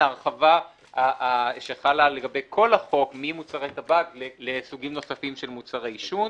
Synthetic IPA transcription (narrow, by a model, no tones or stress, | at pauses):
aʁχava | aʃeχalale̞ɡabe̞jkʰo̞laχo̞kmimut͡saʁet̪abaɡlelesuɡimno̞safimʃelmut͡saʁaiʃun